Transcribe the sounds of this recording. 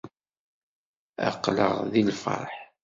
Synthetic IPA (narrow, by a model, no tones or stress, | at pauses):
æ̰qːləʁðilfɑ̰ɾˤħ